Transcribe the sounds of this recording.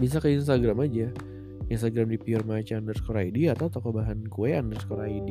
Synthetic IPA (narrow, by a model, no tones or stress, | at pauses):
bis̬akəinst̪aɡɾamad͡ʒa | inst̪aɡɾamdipiʊrmat͡ʃaandərskoɾaidiat̪at̪ɔkɔbaɦankuɛandərskoɾaidi